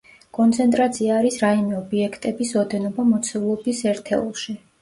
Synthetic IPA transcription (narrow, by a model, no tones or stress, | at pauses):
kʼɔnt̪sʰɛnt̪ʼɾat̪sʰiaːɾisɾaimɛɔbiɛkʰt̪ʼɛbisɔd̪ɛnɔbamɔt̪sʰɛvlˠɔbisɛɾt̪ʰɛ̰ulˠʃi